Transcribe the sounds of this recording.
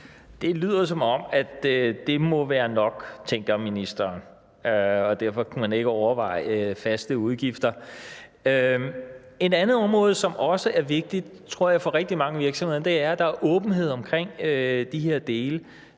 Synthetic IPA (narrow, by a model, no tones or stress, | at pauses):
d̥e̝lyð̰ˠɐsɒ̽mɒ̽mæd̥d̥e̝mɔ̽ʋæːɐnɒ̽ɡ̥t͡sʰeŋ̰ɡ̥ɐminisd̥ɐːn | øɒ̽d̥æɐfɒ̽kʰumæne̝ɡ̥əɒʊɐʋɑ̈ɪ̰əfæsd̥əuð̞ˠɡ̥ifd̥ɐ | ø | e̝dænð̩ˠɒ̽mʁɔ̽ːð̞̩ˠsɒ̽mʔɒ̽səʔæɐʋe̝ɡ̥̚d̥id̥t͡sʰʁo̝ɐ̰jɑ̈ɪfɒ̽ʁɛɡ̥̚d̥imɑ̈ŋəʋiɐɡ̥sɒmhe̝ð̰ˠɐd̥e̝æɐd̥ɑ̈æɐʔɔ̽ːb̥n̩ɦe̝ð̞̰ˠɒ̽mkʰʁeŋ̰ød̥iɦe̝ɐ̰d̥e̝ːlə